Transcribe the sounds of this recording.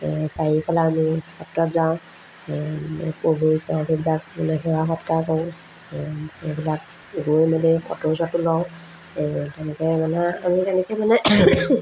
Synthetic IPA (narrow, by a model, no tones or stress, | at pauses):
sajipʰalaːmixɔtkɔtzaʊ̃ | poɡojsɔkʰibilakmanɛxɛwaxɔtkakɔ̃ | ebilak̚ | ɡojmalɛkɔ̰tɔsɔtʊlɔʊ̃ | tɛnɛkɛmanɛamitɛnɛkɛmanɛ